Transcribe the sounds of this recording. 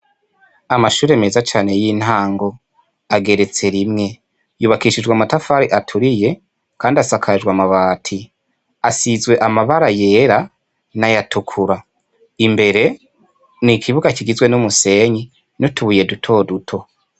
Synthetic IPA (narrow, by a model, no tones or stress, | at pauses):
amaʃuːɾemeːzat͡ʃaːne̞jiːn̥haːŋɡo̞ | aɡe̞ɾe̞t͡se̞ɾimŋe̞ | juβakiʃid͡ʒɡwamatafaɾiʔatʰuɾije̞ | kʰaːndiasakʰad͡ʒwamaβaːtʰi | asizɡwe̞ʔamaβaɾaje̞ːɾa | najatʰukʰuɾa | imbe̞ɾe̞ | nikʰiβuɡakiɡizwe̞numuse̞ɲi | nutuβuje̞dutʰo̞ːdutʰo̞